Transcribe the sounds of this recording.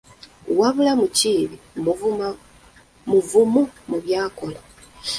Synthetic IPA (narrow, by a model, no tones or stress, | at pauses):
waβulamuciːβi | muvumumuβjaːko̞la